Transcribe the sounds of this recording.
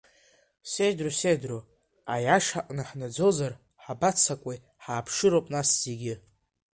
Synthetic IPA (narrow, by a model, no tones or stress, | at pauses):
sejdrusedru | ajaʂaʔʼnɨħnad͡zozar | ħabat͡sʰakʷʼej | ħaːpʰʂɨɾowpʼnasz̥e̞ɡʲɪ